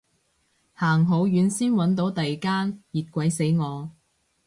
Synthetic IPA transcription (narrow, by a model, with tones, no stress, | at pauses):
haː˨˩ŋɦo˨˧wjyː˨˧nsiː˥nwɐ˨˥nt̪o˨˥wt̪ɐ˨jkaː˥njiː˨t̚kʷɐ˨˥jse˨˥jŋɔː˨˧